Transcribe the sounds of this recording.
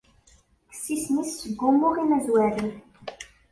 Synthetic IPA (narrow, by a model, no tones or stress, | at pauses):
ə̥sːisnisːəɡːumːuʁinæzwæɾi